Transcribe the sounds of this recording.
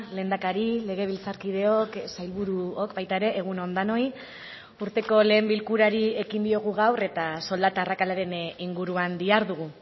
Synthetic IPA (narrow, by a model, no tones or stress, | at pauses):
le̞ːnd̪akaɾile̞ɣ̞e̞β̞ilt͡saɾkið̞e̞o̞ksajlβuɾuo̞kbajt̪ae̞ɾe̞ʔːɣ̞unond̪ano̞j | uɾt̪e̞ko̞le̞ːmbilkuɾaɾie̞ɣind̪io̞ɣ̞uɣawre̞t̪aso̞ld̪at̪aːrakalaɾe̞niŋɡuɾuand̪iaɾðuɣ̞u